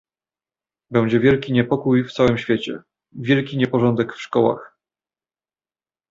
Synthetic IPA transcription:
bɛw̃d͡ʑɛvʲjɛlkʲiɲɛpɔkujft̪sawɘmɕfʲjet͡ɕɛ̰ | vʲjɛlkʲiɲɛpɔʐɔnd̪ɛkfʂkɔwa̰x

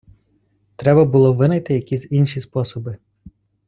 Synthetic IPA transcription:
t̪ɾɛbɐbʊlˠɔʋɪnɐjt̪ɪjɐkʲizʲinʃispɔsɔbɪ

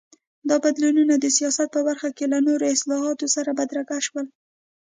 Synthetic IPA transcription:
d̪ɑbad̪lununad̪əsijɑsat̪̚pəbaɾxakelanoɾoɪslɑɦɑt̪osaɾabad̪ɾaɡaʃwəl

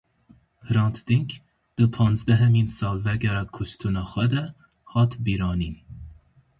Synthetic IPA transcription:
hɾɑnt̪ʰd̪iŋk | d̪̥ɨpʰɑnzd̪æɦɛminsɑlvæɡɛɾɑkʰust̪ʰunɑxwɛd̪ɾɛ | hɑt̪ʰbiɾɑːnin

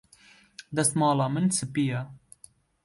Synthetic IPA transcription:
d̪ɐsmɑːlɑːmɨnsɨpija

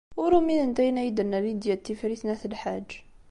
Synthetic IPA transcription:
wəɾuminənt̪æjnæjd̪ənælid̪jæt̪ːifɾiθnæθəlħad͡ʒ

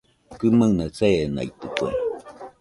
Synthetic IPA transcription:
kɨmanat͡sena̰jt̪ɨkuḛ

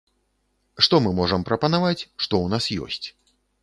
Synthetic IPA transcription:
ʂt̪ɔmɨmɔʐɐmpɾɐpɐnavat͡sʲʂt̪ɔwnasjɔ̰sʲt͡sʲ

